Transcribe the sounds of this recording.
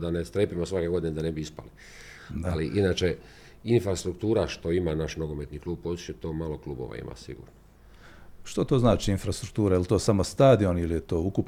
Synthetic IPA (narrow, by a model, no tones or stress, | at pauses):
d̪anest̪ɾepimosʋakeɡo̞d̪ined̪anebiispa̰li | d̪aaliʔinaːt͡ʃe | infɾast̪ɾukt̪uːɾaʃt̪o̞imanaʃnoɡomet̪niklˠuːb̚poit͡ʃet̪o̞ːmalo̞klˠuːbo̰ʋa̰ḭma̰sḭɡṵːɾno | ʃt̪ot̪o̞znaːt͡ʃiinfɾast̪ɾuk̚t̪uːɾajelt̪o̞ːsamo̞st̪aːd̪io̞nilijet̪o̞ːukup